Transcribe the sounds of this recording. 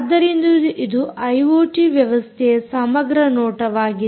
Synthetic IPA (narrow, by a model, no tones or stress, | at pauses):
d̪ːɐɾind̪uʔid̪uɐjʋoːʈiʋjɐʋɐst̪ʰɛɐsɐmɐɡɾɐnɔːʈɐʋaːɡi